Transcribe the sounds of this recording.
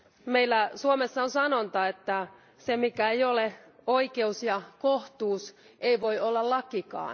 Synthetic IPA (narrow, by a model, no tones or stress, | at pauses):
meilːæsuomesːɑonsɑnont̪ɑet̪ːæ | semikæejoleoikeusjɑkoht̪uːseiʋo̞iolːɑllɑkikɑ̰ː